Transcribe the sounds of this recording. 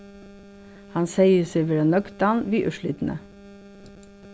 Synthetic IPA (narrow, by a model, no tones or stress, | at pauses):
hɑnseɪəseʋəɾɑnœk̚d̪ɑːnʋiːʔʉʃɭɪ̰t̪n̩ʔə̰